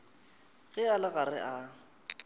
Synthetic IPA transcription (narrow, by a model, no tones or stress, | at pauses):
ɣɪalɪɣarɪ̰ʔa